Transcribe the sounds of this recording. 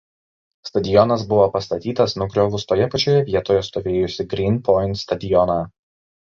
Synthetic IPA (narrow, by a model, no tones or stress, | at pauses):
st̪ɐd̪ʲɪjɔnɐsbʊʋopɐst̪ɐt̪ʲiːt̪ɐsnʊɡɾʲoːʋʊst̪oːjɛpɐt͡ʃʲoːjɛʋʲiɛt̪oːjɛst̪oːʋʲeːjʊsʲɪɡɾʲinpɔɪnt̪st̪ɐd̪ʲɪjɔnɑː